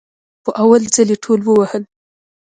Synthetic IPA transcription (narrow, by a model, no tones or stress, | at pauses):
xəʔawalzəleʈʰolwəwahəl